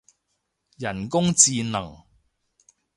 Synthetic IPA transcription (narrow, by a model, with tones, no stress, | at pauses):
jɐ˨˩nkʊ˥ŋt͡siː˧nɐ˨˩ŋ